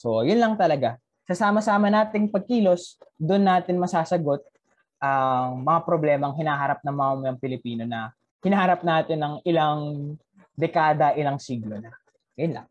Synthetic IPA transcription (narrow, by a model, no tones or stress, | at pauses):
sojʊnlɐŋt̪ɐlɐɡa | sɐsaːmɐsaːmɐnaːt̪ɪŋpɐɡ̚kiːlo̞sd̪ʊnːaːt̪ɪnmɐsaːsɐɡo̞t̪̚ | ʔɐŋmɐŋapɾoblɛːmɐŋhɪnaːɦɐɾap̚nɐmamɐŋpɪlɪpiːno̞nɐ | hɪnahɐɾap̚naːt̪ɪnɐŋɪlaŋ | d̪ɛkaːd̪ɐʔɪlaŋsiɡlonɐ | jʊnlɐ̰ŋ